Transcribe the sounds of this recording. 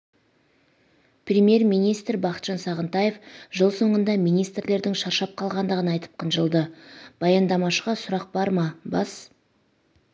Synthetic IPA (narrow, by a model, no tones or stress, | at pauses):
prʲemje̞rmijnijst̪ɾbɑqət̪ʒ̥ɑnsɑʁənt̪ɑjefʒəlˠso̞ɴənd̪ɑmijnijst̪rle̞ɾd̪ɪŋʃɑɾʃɑp̚qʰɑlˠʁɑnd̪əʁənɑjt̪ə̥p̚qʰənʒəlˠd̪əb̥ɑjɑnd̪ɑmɑʃəʁɑsʊɾɑq̚bɑɾmɑbɑs